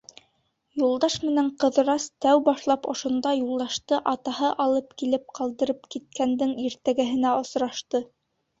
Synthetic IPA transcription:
julˠd̪ɑʃmɘ̆næɴqɤ̆ðɤ̆ɾɑst̪æwbɑʃlˠɑpŏʃŏnd̪ɑjulˠd̪ɑʃt̪ɤʔɑt̪ɑhɤʔɑlˠɤpkilɘp̚qɑlˠd̪ɤ̆ɾɤpkit̪̚kænd̪ɘŋiɾt̪æɡæɦɘ̆næŏsɾɑʃt̪ɤ

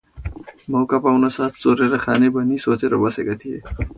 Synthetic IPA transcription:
mɐwkapawnasaːt̪ʰt͡soɾeɾakʰaːnebənisoːt͡seɾobʌsekət̪ʰije

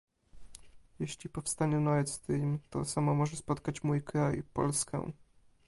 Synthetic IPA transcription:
jɛɕlʲipɔfst̪aɲɛnɔɛst̪ɘmt̪ɔ̰samɔmɔʐɛspɔt̪kat͡ɕmujkɾajpɔ̰lskɛ̰̃

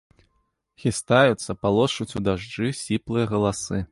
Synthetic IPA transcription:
xʲist̪ajut̪sːɐpalˠɔʂut͡sʲud̪aʐd͡ʐɨsʲiplˠɨjɐɣɐlˠasɨ

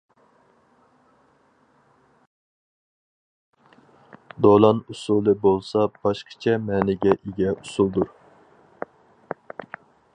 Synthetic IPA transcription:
d̪olˠɑnusulˠɨbolˠsɑb̥ɑʃqʰə̥t͡ʃʰɛmɛːnɪɡʲɛʔiɡʲɛusulˠd̪uɾ

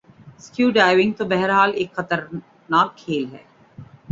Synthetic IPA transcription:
skjuːɖaːɪʋɪ̃ŋɡ̚t̪obɛɦɾɦaːleːkxɐt̪əɾ | naːkʰːeːlɦɛ̰ː

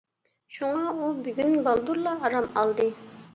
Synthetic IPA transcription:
ʃuŋɑubyɡʲynbɑlˠd̪uɾlˠɑːɾɑmɑlˠd̪ɨ

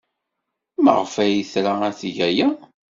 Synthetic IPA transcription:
mə̰ʁfæjəθɾaæθʝæjæ

